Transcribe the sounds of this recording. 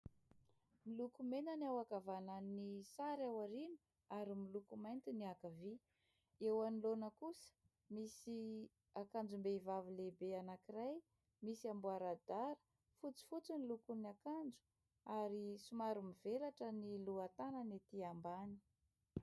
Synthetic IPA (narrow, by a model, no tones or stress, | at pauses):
milukumenaniawakavanannisaɾawaɾinu̥ | aɾimilukumajnt̪iniakavi | ewanilonəkusə̥ | misi | akand͡ʒumbeivavilebeanakiraj | misiambuaɾad̪aɾə̥ | fut͡si̥fut͡sinilukuniakand͡ʒu̥ | aɾisumaɾumivelaʈ͡ʂəniluat̪anənet̪iambani̥